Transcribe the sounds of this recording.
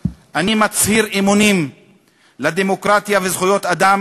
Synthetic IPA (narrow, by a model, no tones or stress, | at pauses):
ʔanimat͡shiʁimunim | lad̪emo̞kʁat̪javezχujo̞t̪ad̪am